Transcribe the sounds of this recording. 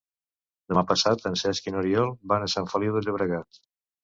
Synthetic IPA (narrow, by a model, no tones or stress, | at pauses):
d̪əmapəsat̪ənsɛskinoɾiɔlˠbanəsaɱfəliwðəəβɾəɣat̪